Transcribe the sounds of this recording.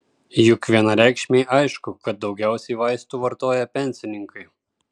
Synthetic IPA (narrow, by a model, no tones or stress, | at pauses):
jʊkʋʲiɛnɐɾʲæˑɪkʃʲmʲeːʔɐɪʃkʊkɐt̪̚d̪ɒʊɡʲæˑʊsʲɛɪʋɐɪst̪uːʋɐɾt̪oːjɛpʲɛnʲsʲɪnʲɪŋkʰɐɪ